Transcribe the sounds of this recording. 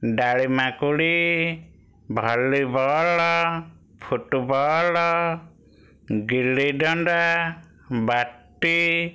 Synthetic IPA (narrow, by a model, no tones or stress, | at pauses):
ɖaɭimakuɽi | bʱɔlːibʱɔɭɔ | pʰuʈubɔɭɔ | ɡiliɖɔɳɖa | baʈːi